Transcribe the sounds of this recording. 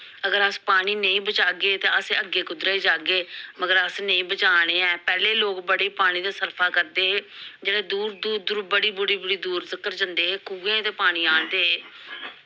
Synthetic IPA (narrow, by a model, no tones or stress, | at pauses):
əɡəɾəspaːɽ̃iːnəĩːbət͡ʃaːɡeːt̪eːəseːəɡeːkʊd̪ɾaːiːd͡ʒaːɡeːməɡəɾəsnəĩːbət͡ʃaːɽ̃eːɛːpɛːleːloːkbəɽeːpaːɽ̃ĩːd̪aːsəɾpʰaːkəɾd̪eːɦːd͡ʒeːɽeːd̪uːɾd̪uːɾd̪uːɾbəɽiːbʊɽiːbʊɽiːd̪uːɾzɪkəɾd͡ʒənd̪eːɦeːkuːɡẽːt̪eːpaːɽ̃iːaːnd̪eː